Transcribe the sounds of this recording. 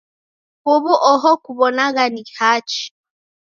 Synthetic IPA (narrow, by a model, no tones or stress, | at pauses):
hoβɔʔɔɦɔkuβɔnaɣanihat͡ʃi̥